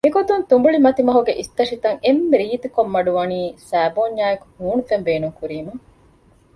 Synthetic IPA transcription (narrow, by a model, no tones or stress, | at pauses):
miɡot̪unt̪umbuɭimɐt̪imɐɦuɡeʔist̪ɐʂit̪ɐŋemːeɾiːt̪ukomːɐɖuʋɐniːsæːboːɲːaːjeku̥huːnufembeːnuŋkuɾiːmɐ